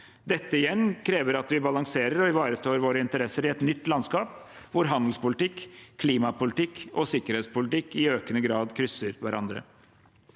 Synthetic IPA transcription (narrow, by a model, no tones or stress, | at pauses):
d̪ɛt̪ːəɪjɛnːkʰɾeːʋəɾɑt̪ʋɪbɑlɑŋseːɾəɾɔɪʋɑːɾət̪ʰoːɾʋoːɾəɪnt̪əɾɛsːəɾɪɛt̪nʏt̪ːlɑnskɑːp | ʋʊɾɦɑnd̪l̩spʊlɪt̪ɪkkʰliːmɑpʊlɪt̪ʰɪkːɔsɪkːəɾɛːt̪spʊlɪt̪ɪkːɪøːkənəɡɾɑːd̪kʰɾʏsːəɾʋæɾʔɑ̰nd̪ɾə̰